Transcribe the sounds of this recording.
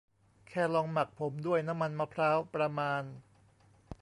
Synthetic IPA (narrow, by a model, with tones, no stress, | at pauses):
kʰɛː˥˩lɔː˧ŋma˨˩k̚pʰo˩˦mdu˥˩əjna˦˥mːa˧nma˧˥pʰɾaː˦˥wpɾa˧maː˧n